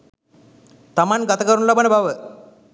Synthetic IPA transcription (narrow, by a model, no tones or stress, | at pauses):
t̪ɐmanɡɐt̪əkəɾunlɐbənebʱaʋə